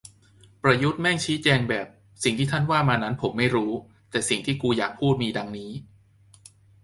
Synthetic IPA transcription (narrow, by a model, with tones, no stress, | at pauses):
pɾa˧ju˦˥t̪̚mɛ˥˩ŋt͡ɕʰiː˦˥t͡ɕɛː˧ŋbɛː˨˩p̚ | si˨˩ŋt̪ʰiː˥˩t̪ʰa˥˩nwaː˥˩maː˧na˦˥npʰo˩˦mːa˥˩jɾuː˦˥ | t̪ɛː˨˩si˨˩ŋt̪ʰiː˥˩kuː˧jaː˨˩k̚pʰuː˥˩t̪̚miː˧da˧ŋniː˦˥